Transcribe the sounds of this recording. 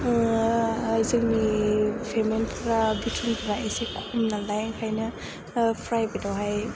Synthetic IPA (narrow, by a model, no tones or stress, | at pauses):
zɯŋmipʰemenpʰɯɾabitʰɾumpʰɾaʔisekʰumnalajŋkʰajnɐ | pʰɾajbidawɦaj